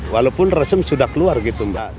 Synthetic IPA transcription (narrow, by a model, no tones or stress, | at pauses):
walapʊnrasəmsudahkəluarɡit̪umba